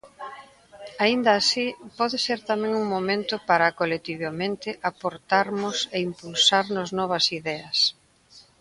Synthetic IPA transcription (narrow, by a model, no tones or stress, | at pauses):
aind̪aːsipɔðeseɾt̪amɛ̃ŋuŋmomẽnt̪ʊpaɾɐkolet̪iβamẽnt̪ɪʔapoɾt̪aɾmʊseimpulsaɾnʊznɔβ̞ɐsiðɛɐs